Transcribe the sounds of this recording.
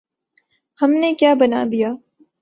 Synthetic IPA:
hɐmnekjaːbɐna̰ːd̪ijaː

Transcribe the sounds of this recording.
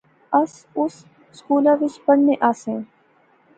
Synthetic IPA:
ɐs | ʊsː | kuːlaʋɪt͡ʃpəɳmẽʔaːsẽː

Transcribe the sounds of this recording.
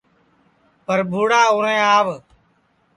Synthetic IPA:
pəɾbʱuːɽaːʊnẽːaːʋ

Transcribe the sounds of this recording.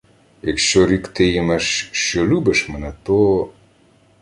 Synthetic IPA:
jɐkʃɔɾikt̪ɪimɛʃɔlʲubɛʃmɛnɛt̪o

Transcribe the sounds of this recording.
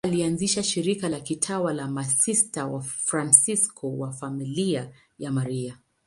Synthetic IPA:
alianziʃaʃiɾikalakitʰawalamasistawafɾansiskʰɔwafamilia | jamaɾia

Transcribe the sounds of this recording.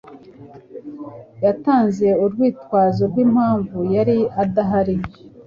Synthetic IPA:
jataːnzie̞uɾɡwiːtwaːzoɾɡwiːmhaːɱvujaɾiadaɦaɾi

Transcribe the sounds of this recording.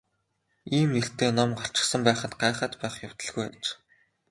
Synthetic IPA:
iːmnert̪eːnɔmɢaɬt͡ɕɪ̥̆χsə̆mpæːχə̆t̪ɢæːχə̆t̪pæːχjʊw̥t̪ə̆ɮɣujæt͡ɕ

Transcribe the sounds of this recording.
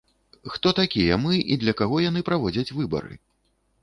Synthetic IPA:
xt̪ɔt̪akʲijɛmɨʔid̪lʲɐkaɣɔjanɨpɾavɔd͡zʲɐt͡sʲvɨbɐ̰ɾɨ̰

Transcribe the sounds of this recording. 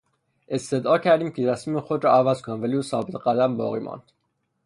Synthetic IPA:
ʔe̞st̪e̞d̪ɒːcʰæɾd̪iːmcʲʰet̪ʰæsmiːmexod̪ɾɒːʔævæzkʰonæmvæliːuːsɒːbet̪ʰeʁæd̪æmbɒːɣiːmɒ̰ːnd̪̥

